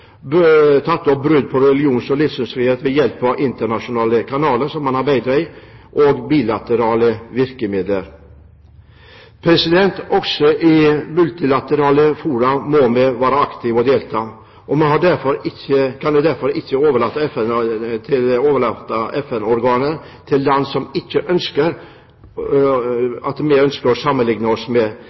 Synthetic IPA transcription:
bt̪ʰɑt̪ːɔp̚bɾʉd̪pʰɔɾɛlɪuːnsɔlɪfsʉnsfɾiːheːt̪ʋɛjɛlpːɑʔɪnt̪əɳɑʂʊnɑːləkʰɑnɑːləʂɔmːɑnɑɾbæɪd̪ɾaiʔɔɡbiːlat̪əɾɑːləʋɪɾkəmɪd̪ləɾ | pʰɾɛsɪd̪ɛnt̪ɔksɔʔɪmʉlt̪ɪlat̪əɾɑːləfuːɾɑmɔmɛʋɑːɾɑɑkt̪ɪʋɔd̪eːlt̪ʰɑː | ʔɔmɛhɑɖæɾfɔɾɪçəkʰɑnɛd̪æɾfɔɾɪçːəoːʋəɭɑt̪ːɛfɛnt̪ʰɪloːʋəɭɑt̪ːɑʔɛfɛnɔɾɡɑːnən | t̪ʰɪld̪ɛnːsɔmɪçːəʔœnskəɾ | ɑt̪mɛœnskəɾɔsɑmːənlɪŋnɑɔsmɛ

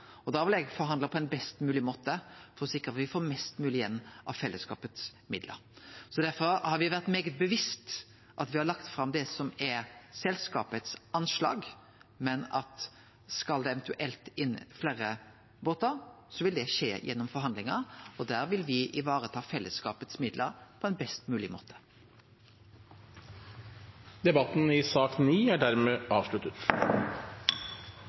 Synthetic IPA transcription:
ɔd̪ɑːʋɪlɛɡfɔɾɦɑnd̪lɑpʰɔɛnbɛst̪mʉːlɪmoːt̪əfɔɾɔsɪkːəʁɑt̪ʋɪfoːmɛst̪mʉːlɪjɛnːʔɑ̰ʋfɛlːəskɑ̰ːpət̪smɪd̪lʔə̰ɾsɔd̪æʁfɔɾhɑɾʋɪʋæʁt̪meːɡət̪̚bəʋɪst̪ | ʔɑt̪ʋɪhɑɾlɑkt̪fɾɑmd̪ɛsɔmɛɾsɛlskɑ̰ːpət̪sɑnslɑ̰ːɡ | mɛnɑt̪ | skɑld̪ɛɛʋənt̪ʉʔɛlt̪ɪnːfleːɾə | boːt̪ɑ | sɔʋɪld̪ɛʂḛːjʔɛnːɔmfɔʁɾɦɑnd̪lɪŋɑɔd̪æːʁʋɪlʋɪʔɪʋɑːʁət̪ʰɑːfɛlːəskɑːpət̪smɪd̪ləɾpʰɔɛnbɛst̪mʉːlɪmo̰ːt̪ʰə̥ | d̪ɛbɑt̪n̩ɪsɑːkniːæɖæɾmeːʔɑːʋʂlʉt̪ət̪

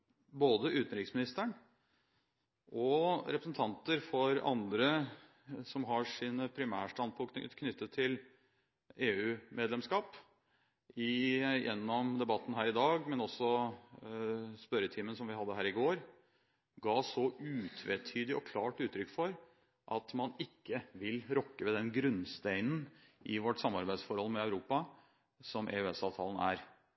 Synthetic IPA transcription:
boːd̪əʔʉːt̪nɾɪksmɪnɪst̪əɳ | ʔɔɾɛpɾəsn̩t̪ʰɑnt̪əɾfɔɾɑ̰nd̪ɾə | sɔmɦɑʂiːnəpʰɾɪmæːʂʈɑnd̪̚pʰʊk̪kʰnʏt̪ːət̪ʰːɪl | eːʉːmʔeːd̪lɛmskɑːp | ɪjʔɛ̰nːɔmd̪ɛbɑt̪ːn̩ɦæːɾɪd̪ɑːɡmɛnɔsɔ | spœɾət̪ʰiːməns̬ɔmʋɪhɑd̪ːəɦæːɾɪɡoːɾ | ɡɑːsɔʉːt̪ʰʋeːt̪ʰyːd̪ɪɔ̰kʰlɑːʈʉːt̪ʰːɾʏkːfɔɾ | ʔɑt̪mɑnɪkːəʋɪlɾɔkːəʋɛd̪ɛnɡɾʉnst̪æɪnn̩ʔɪʋɔʈːsɑmːɑɾbæɪd̪sfɔɾhɔlmɛɑʉɾuːpɑ | sɔmʔḛːøɛsɑːʋt̪ʰɑːlən̩æ̰ːɾ

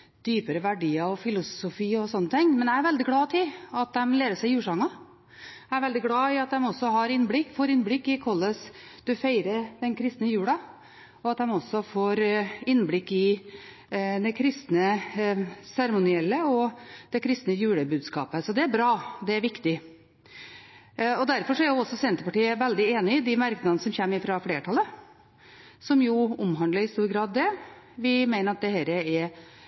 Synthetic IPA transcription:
d̪̥yːpəɾəʋæɖiːɑɔfɪlʊsʊfiːɔsɔnːət̪ʰɪŋːmɛnææɾʋɛld̪ɪɡlɑːt̪ʰɪlɑt̪̚d̪ɛmleːɾəʂæɪjʉːʂɑŋɑ | ææɾʋɛld̪ɪɡlɑːɪɑt̪̚d̪ɛmɔsːɔɦɑɾɪnblɪkːfoːɾɪnːblɪkːɪkʰɔlːəsd̪̥ʉfeɪɾəɾd̪ɛnkʰɾɪst̪nəjʉːɽɑ | ɔɑt̪̚d̪ɛmɔsːɔfoːɾɪnːblɪkːɪ | d̪ɛkʰɾɪst̪nə | sæɾmʊnɪɛlːəɔd̪̥ɛkʰɾɪst̪nəjʉːɽəbʉːd̪skɑ̰ːpəsɔd̪ɛæɾbɾɑːd̪ɛæɾʋɪkt̪ɪ | ɔd̪æɾfɔɾʂɔæɾjʊɔsːɔsɛnt̪əpɑʈiːəʋɛld̪ɪeːnɪɪd̪ɪmæɾknəɑnəsɔmçɛmːɪfɾɑfleːʈʰɑlːə | sɔmjʊʊmɦɑnd̪əɾɪst̪uːɾɡɾɑːd̪ːɛ | ʋɪmæɪnəɾɑt̪̚d̪ɛhæːɾəɛɾ

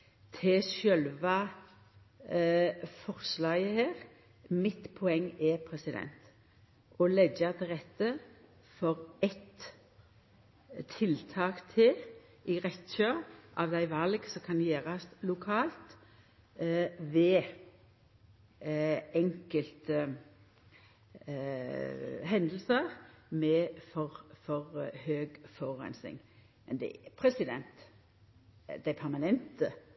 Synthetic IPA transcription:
t̪ʰɪsœlʋɑ | fɔʁslɑːɡəheːʁ | mɪt̪pʰɔɛŋːɛpʰʁɛsɪd̪ɛ̰nt̪ | ʔɔlɛɡɑt̪əʁɛt̪ːə | fɔʁɛt̪ | ɪlt̪ʰɑːkt̪ʰɪl | ɪʁɛt̪ːɕøːʁʔɑʋd̪æɪʋɑlɡsɔkʰɑnjeːʁɑslʊkʰɑːlt̪ | ʋɛ | ɛŋkəlt̪ə | ɦɛnd̪əl̩səʁmɛfɔʁfɔʁhøːɡfɔʁːɛ̰nsnɪ̰ŋ | mɛ̰nd̪ɛ̰pʰɾɛsɪd̪ɛ̰nt̪ | d̪æɪpʰæʁmɑnɛnt̪ə

